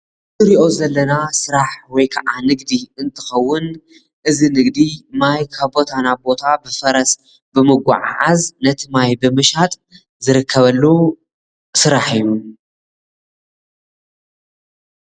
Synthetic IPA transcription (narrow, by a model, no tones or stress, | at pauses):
tʼɨɾiʔo̞zɐlːɐnasɨɾaħwɔjkʰɐʔanɨɡd̪iɨnt̪ʰɨ̥xɐwːʊn | ʔɨzinɨɡd̪imajkʰaβbo̞t̪ʰanabo̞t̪ʰabɨfɐɾɐs | bɨmɨɡʷa̰ʕa̰ʕaznɐt̪ʰimajbɨmɨʃat̪ʼ | zɨɾɨkʰːɐβɐlːu | sɨɾaħɨjːu